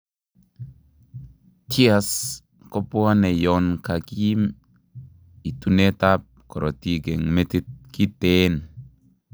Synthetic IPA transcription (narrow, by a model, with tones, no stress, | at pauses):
ti˦a˨s | kɔ˦pu˦a˦nɛ˨jɔ˨nka˨ki˦i˦m | i˨tu˦ne˦ta˦p̚kɔ˨ɾɔ˨ti˦ɡe˨ŋme˦ti˦t̚ki˦te˦n